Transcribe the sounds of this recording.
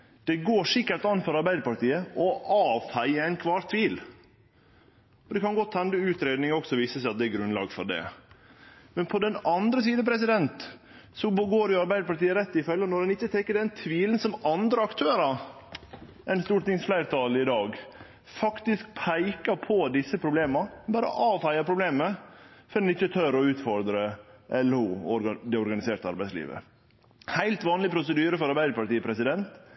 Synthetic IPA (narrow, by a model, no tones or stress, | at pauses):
d̪̥ɛɡoːʂɪkːəɾʈ̪ɑnːfɔɾɑɾbæɪd̪əpɑɾʈ̪iːəʔɔʔɑːʋfæɪəæɪnkʰʋɑːɾt̪ʰʋiːl | ɔd̪ɛkʰɑnɡɔt̪ʰːɛnd̪əʉːt̪ɾeːd̪nɪŋɔksɔʋiːsəsæɪɑt̪̚d̪ɛɛɡɾʉnlɑ̰ːɡfɔ̰ɖɛ̰ | mɛnpʰɔd̪ɛnɑnd̪ɾəsiːd̪əpʰɾɛs̬ɪd̪ɛnt̪ | sɔbɡoːɾjʊɑɾbæɪd̪əpɑʈ̪iːəɾɛt̪ːɪfœlːənɔɾɛnɪçːət̪ʰɛkːəɖɛnt̪ʰʋiːlənsɔmɑnd̪ɾəɑkt̪ʰøːɾɑ | ɛɪnst̪uːʈt̪ɪŋsflæɪɾt̪ʰɑːlɪd̪ɑːɡ | fɑkt̪ɪsk̚pʰæɪkɑpʰɔd̪ɪsːəpʰɾʊbleːmɑbɑːɾə̰ʔɑːʋhæɪɑpʰɾʊbleːməfɔɾd̪ɛnɪçːət̪ʰœɾɔʉːt̪fɔɾd̪ɾəʔɛluɔɾd̪ɛɔɾɡɑnɪseːɾʈ̪əɑ̰ɾbæɪslḭːʋə̰ | hæɪlt̪ʋɑːnlɪpʰɾʊsəd̪yːɾəfɔɾɑɾbæɪd̪əpɑʈiːəpʰɾɛsɪd̪ɛnt̪